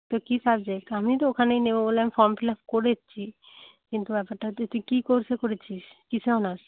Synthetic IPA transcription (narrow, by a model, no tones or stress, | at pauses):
t̪okisab̚d͡ʑek̚ʈamit̪̬ookʰanejnebobolamfɔɾmplapkoɾet͡ɕʰi | kint̪ubɛpaɾʈat̪ot̪ikikoɾt͡ɕʰekoɾet͡ɕʰiʃkit͡ɕʰeonaɾ